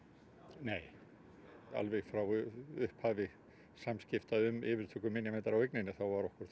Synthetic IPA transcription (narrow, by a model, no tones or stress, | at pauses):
neːj | a̰lvɛɣfɾawʏhphaːvɪ | samscɪft̪aðʏmɪːvɪɾ̥t̪ʰœːkʏmɪnjamɛnt̪aɾaweknejnɪθawvaɾɔhkʏɾ̥